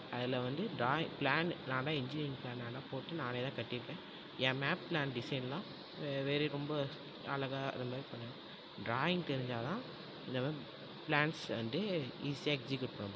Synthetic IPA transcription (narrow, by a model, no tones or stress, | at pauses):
ɐðɪlɐʋɐnd̪ɯɖɾaːɪ̃ŋplaːnnãːd̪ãːɪɲd͡ʒɪnɪɾɪ̃ŋplaːnaːnːaːpoːʈːɯnãːneðãːkɐʈːɪɾɯkːẽː | ɛ̃ːmaːpplaːnɖɪsɐɪnlãː | ʋeːɾeɾɔmbɐ | ɐ̰lɐɣa̰ːɐmaːɾipɐɳːɐ̃ | ɖɾaːjɪ̃ŋɡ̚t̪ɛɾɪɲd͡ʒaːt̪ãː | ɪnd̪ɐmaː | plaːɳsʋɐ̰nd̪ɯiːsijaːɛksɪkjʊʈ̚pɐɳːɐ